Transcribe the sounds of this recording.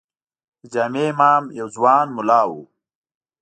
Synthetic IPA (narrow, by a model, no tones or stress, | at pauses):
d͡ʑaːmeːmaːmjɐwzwɑːnmʊlɑːwu